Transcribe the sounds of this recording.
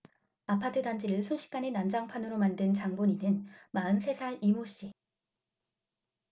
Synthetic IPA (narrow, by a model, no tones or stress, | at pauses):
apʰatʰɯdand͡ʑiɾɯɭsʰunɕʰi̥k͈anenand͡ʑaŋpʰanɯɾomandɯnt͡ɕaŋboɲinɯnmaɯnsʰe̞sʰaɾimoɕ͈i